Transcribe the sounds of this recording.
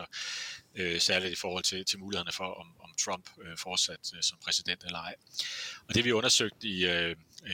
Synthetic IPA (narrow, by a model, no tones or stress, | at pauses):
ɒ | øsæɐlid̥ifɒːhɒ̽l̰t͡sʰe̝t͡sʰe̝lmuːihen̩əfɒ̽ʔɒ̽mɒ̽mt͡sʰʁɒ̽m̰b̥øfɒːd̥sæd̥sɒ̽mpʰʁɛsid̥en̰d̥elɐɑ̈ɪɒ̽d̥e̝ʋiɔ̽nɐsøɡ̥̚d̥iø